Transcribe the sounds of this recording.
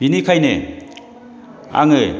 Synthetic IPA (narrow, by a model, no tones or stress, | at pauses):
b̥inikʰajne | a̰ŋɯ